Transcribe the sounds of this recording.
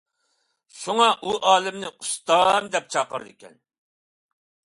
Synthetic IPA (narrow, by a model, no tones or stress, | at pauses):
ʃuŋɑʔuʔɑːlɪmnɪust̪ɑmd̪ɛp̚t͡ʃʰɑqəɾɨd̪ɨkʲɛ̰n